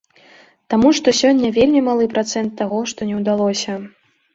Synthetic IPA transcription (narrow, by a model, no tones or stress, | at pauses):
t̪amuʂt̪ɔsʲɔnʲːɐvʲelʲmʲimalˠɨpɾat̪sɛnt̪ːaɣɔʂt̪ɔnʲɛwd̪alˠɔsʲɐ